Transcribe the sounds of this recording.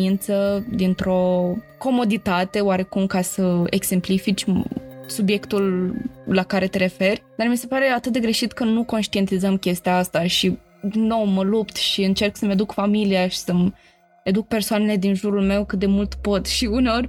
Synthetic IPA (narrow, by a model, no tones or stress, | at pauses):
int̪səd̪int̪ɾo̞ko̞mo̞d̪it̪at̪e̞oaɾe̞kumkasəeɡse̞mplifit͡ʃʲsubje̞kt̪ulː | akaɾe̞t̪eɾe̞fe̞rʲd̪armise̞paɾe̞at̪ɨt̪̚d̪eɡɾe̞ʃit̪kənuko̞nʃt̪ie̞nt̪izəmkʲe̞st̪iaast̪aʃi | no̞wməlupt̪ʃiɨnt͡ʃe̞rksəmed̪ukfamiliaʃi̥səm | ed̪uk̚pe̞rsoane̞le̞d̪inʒuɾulme̞wkɨt̪̚d̪emult̪po̞t̪ʃiuneo̞rʲ